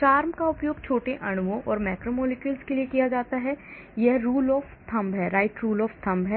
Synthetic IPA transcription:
t͡ʃaːɾmkaʊpjoːɡ̚t͡ʃʰoːʈeʔɐɽ̃ʋõʔɔːɾmɛːkɾomoːlɪkjʊlskeliekijad͡ʒaːt̪aɦɛ | jɛɦɾuːlɔːft̪ʰɐ̃mbʱɦɛɾaːɪʈɾuːlɔːft̪ʰɐ̃mbʱɦɛː

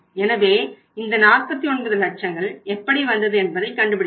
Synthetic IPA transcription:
ɛnɐʋeː | ɪnd̪ɐnaːr̚pɐt̪ːiɔɳbɯðɐlɐʈ̚t͡ʃɐŋɡɐɭɛpːɐɽiʋɐnd̪ɐðɯɛnbɐðɐɪkːɐɳɖɯpɪɽɪ

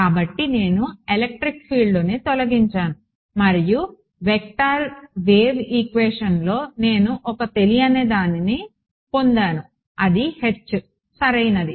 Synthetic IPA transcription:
kaːbɐʈːine̞ːnuelek̚ʈɾikpʰiːɭloːneːt̪ɔlɐɡiɲt͡ʃaːnu | mɐɾiju | ʋek̚ʈaːɾʋeːʋikʋeːʂɐnlo̞ːne̞ːnuʔɔkɐt̪e̞lijɐneːd̪aːnini | po̞nd̪aːnu | ɐd̪ihe̞t͡ʃːu | sɐɾɐjnɐd̪i

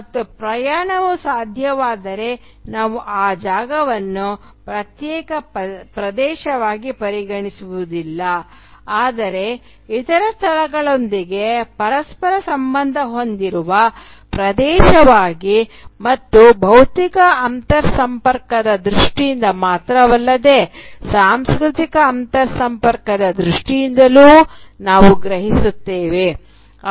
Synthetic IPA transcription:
mɐt̪ːupɾɐjaːɳɐʋusaːd̪ʱjɐʋaːd̪ɐɾe̞ | naːʋuʔaːd͡ʒaːɡɐʋɐnːu | pɾɐt̪jɛːkɐpɾɐd̪ɛːʃɐʋaːɡipɐɾiɡɐɳisuʋud̪ilːɐ | aːd̪ɐɾe̞ | it̪ɐɾɐst̪ʰɐlɐɡɐɭo̞nd̪iɡe̞pɐɾɐspɐɾɐsɐmbɐnd̪ʱɐɦo̞nd̪iɾuʋɐ | pɾɐd̪ɛːʃɐʋaːɡimɐt̪ːubʱɐwt̪ikɐʔɐnt̪ɐɾsɐmpɐɾkɐd̪ɐd̪ɾuʂʈijind̪ɐmaːt̪ɾɐʋɐlːɐd̪e̞ːsaːmskɾut̪ikɐːnt̪ɐɾsɐmpɐɾkɐd̪ɐd̪ɾuʂʈijind̪ɐluːnaːʋuɡɾɐɦisut̪ːeːʋe̞

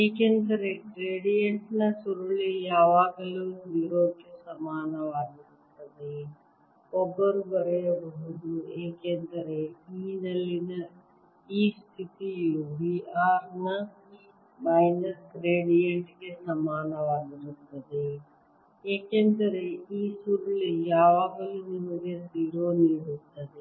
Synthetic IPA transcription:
eːkend̪ɐɾeɡɾeːɽijeɳʈnɐʃuɾulijaːʋaːɡɐluʋiːɾoːd̪kesɐmaːnɐʋaːd̪iɾust̪ɐd̪i | kɔɡɐɾubɐɾɐjɐbɐɦud̪ueːkeːnd̪ɐɾeiːnɐlːinɐ | iːst̪ʰɪt̪ijuʋiːaːɾnɐ | maːɪnəɾɡɾeːɽijəɳʈkesɐmaːnəʋaːd̪ɾɐkt̪ɐd̪e | eːkẽːnd̪əɾeiːsuɾlijaːʋaːɡəlinɪnəɡeziːɾoniɽut̪ʰɐd̪eː

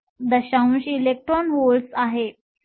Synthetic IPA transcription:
d̪əɕaũɕilek̚ʈɾɔnɦolsaɦe

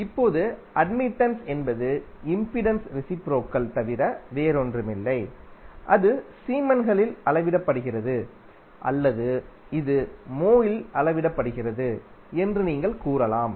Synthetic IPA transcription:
ɪpːoːðɯʔɐɖmɪʈːɐnsɛnbɐðɯɪmpɪɽɐnsɾɪsɪpɾoːkːɐlt̪ɐʋɪɾɐʋeːɾɔndrɯmɪlːɐɪʔɐðɯsiːmɐnɣɐɭɪlɐlɐʋɪɽɐpːɐɽɯɣɪrɐðɯ | ʔɐ̰lːɐðɯɪðɯmoːjɪlɐlɐʋɪɽɐpːɐɽɯɣɪrɐðɯ | ɛndrɯniːŋɡɐɭkuːɾɐlaːm

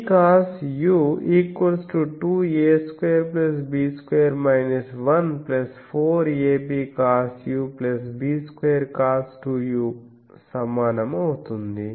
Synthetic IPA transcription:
kaːsjuiːkwɐlsʈuʈuːjeːskʋeːɐɾplɐs̬biːskʋeːɐɾmɐjnɐsʋɐnplɐspʰoːɾeːpiːkaːsjuːplɐsbiːskʋeːɐɾkaːsʈuːjuː | sɐmːaːnɐmɐwut̪und̪i

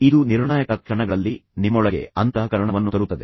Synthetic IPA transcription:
id̪uniɾɳaːjɐkɐkʂɐɳɐɡɐɭɐlːinimːɔɭɐɡe̞̰ɐnt̪ɐɐkɐɾɐɳɐʋɐnːut̪ɐɾut̪ːɐd̪ḛ

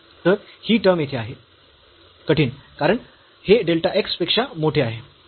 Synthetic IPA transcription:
t̪əɾhiːʈəɾmjet̪ʰeaɦe | kəʈʰiːnkaɾəɳ | heɖelʈaʔekspekʂamoʈʰeaɦe

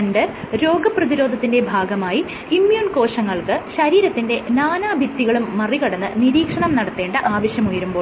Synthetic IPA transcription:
ɳɖɨ | ɾo̞ːɡɐprɐðiɾo̞ːd̪ʱɐt̪ːinde̞bʱaːɡɐmaːji | imjuːnko̞ːʂɐŋːɐɭkɨɕɐɾiːɾɐt̪ːinde̞naːnaːbʱikt̪ːiɣɐɭumːɐriɣɐɽɐnːɨniɾiːkʂɐɳɐmnɐɽɐt̪ːe̞ːɳɖɨʔaːʋɐɕjɐmujɐɾumbo̞ː

